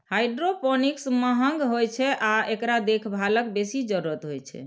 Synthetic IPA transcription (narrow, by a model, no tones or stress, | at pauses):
hajɖɾopɔniksməɦəŋɡɦojt͡ʃʰɛʔaekɾad̪ekʰbʱalək̚besid͡ʒəɾɾət̪ɦojt͡ʃʰɛ̰